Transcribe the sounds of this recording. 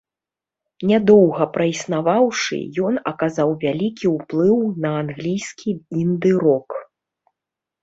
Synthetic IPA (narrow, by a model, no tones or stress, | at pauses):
nʲad̪ɔwɣɐpɾɐisnavawʂɨ̰jɔnɐkazawvʲalʲikʲiwplˠɨwnɐanɣlʲijskʲʰiind̪ɨɾɔk